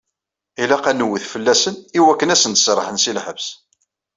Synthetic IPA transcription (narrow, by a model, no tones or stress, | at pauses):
ilæqænəwːiθfəlːæsəniwækːənæsənt̪sɾˤə̰ħənsilħəvs